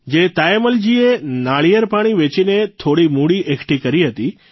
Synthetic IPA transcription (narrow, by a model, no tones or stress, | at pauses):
d͡ʒet̪ajməld͡ʒienaɭijəɾpaɽ̃iʋet͡ʃinet̪ʰoɽimuɽiʔekʰʈikəɾiɦət̪i